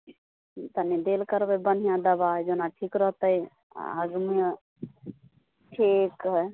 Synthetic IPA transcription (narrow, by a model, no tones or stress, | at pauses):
t̪ənid̪eːlkəɾbəbən̤ʱijãd̪əbad͡ʒonaʈʰiːkɾəɦt̪əj̰ | ɦəɡmi | ʈʰik